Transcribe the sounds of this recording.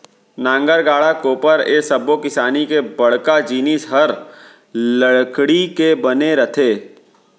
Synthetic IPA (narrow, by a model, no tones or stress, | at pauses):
nãːŋɡəɾɡaːɽakoːpəɾeːsɐbokɪsaːnikebɐɽ̤kad͡ʒiːnɪsɦɐɾ | ləɽkɽikebɐneɾɐt̪ʰeː